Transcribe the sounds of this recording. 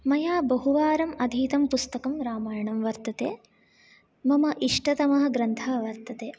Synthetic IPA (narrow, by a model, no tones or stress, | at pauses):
mɐjaːbɐɦuʋaːɾɐmɐd̪ʱiːt̪ɐmpust̪ɐkɐmɾaːmaːjɐɳɐmʋɐɾt̪ɐt̪eː | mɐmɐʔiʂʈɐt̪ɐmɐɦɐ̆ɡɾɐnt̪ʰaːʋɐɾt̪ɐt̪eː